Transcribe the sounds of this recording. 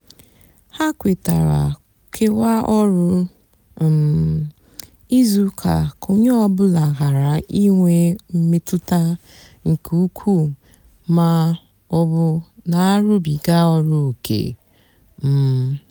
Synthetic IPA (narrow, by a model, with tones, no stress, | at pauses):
ha˦kʷe˨ta˨ɾa̰˨ | kʰe˦wa˦ɔ˦ɾʊ˦˨ | i˦zu˦kʰa̰˨ko˦ɲe˦ɔ˦bʊ˦la˨ɣa˨ɾa˨i˦ŋʷe˦m̩˦me˦tʊ˦ta˦ | ŋ̩˨kʰu˨u˦kʷʰu˦˨ | ma˦ | ɔ˦bʊ˦na˨a˦ɾʊ˦bi˨ɡa˦ɔ˦ɾʊ˦˨kʰḛ˨ | m̩˨